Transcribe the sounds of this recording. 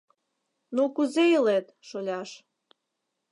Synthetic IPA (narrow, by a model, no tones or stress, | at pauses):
nukuzejəlet̪ʃolʲɑʃ